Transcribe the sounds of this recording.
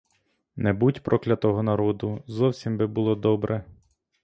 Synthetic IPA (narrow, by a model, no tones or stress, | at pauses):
nɛbutʲpɾʔɔklʲɐt̪ɔɦɔnɐɾɔd̪ʊzɔwsʲimbɪbʊlˠɔd̪ɔbɾʔɛ